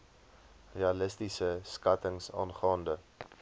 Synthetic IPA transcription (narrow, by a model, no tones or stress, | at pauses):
reɑləstisəskɐtəŋsɑ̰ːnχɑːndə